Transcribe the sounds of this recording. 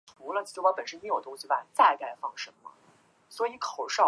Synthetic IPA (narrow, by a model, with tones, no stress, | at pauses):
tu˧˥lə˧o˥˧ɑ˥pə˨˩nʂə˥ni˧˥jo˨˩t̪ʊ˥ŋɕi˨˩ba˨˩t͡sa˥˧ɪka˥˧ɪfɑ˥˩ŋʂɤ˧˥ŋmə̰˧ | swɔ˧˥i˧˥kʰo˨˩ʊʂɑ˥˩